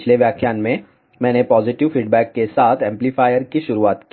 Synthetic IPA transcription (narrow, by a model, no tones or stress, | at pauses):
t͡ʃʰleʋjaːkʰjaːnmẽ | mɛ̃ːnepɔːzɪʈɪʋfiːɖbɛːkːesaːt̪ʰɛ̃ːmplifaːɪjəɾkiʃʊɾuaːt̪ki